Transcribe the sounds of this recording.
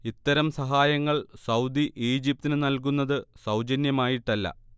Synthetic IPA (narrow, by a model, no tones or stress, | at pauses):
it̪ːɐɾɐmsɐɦaːjɐŋːɐɭsɐwd̪iʔiːd͡ʑip̚t̪inɨnɐlk̬unːɐðɨsɐwd͡ʑɐnjɐmaːjiʈːɐlːɐ̰